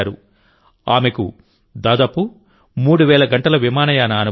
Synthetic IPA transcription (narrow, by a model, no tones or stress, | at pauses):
ɾṵ | aːme̞kṵ | d̪aːd̪aːpu | muːɽuʋɛːɭɐɡɐɳʈɐlɐʋimaːnɐjaːnɐːnu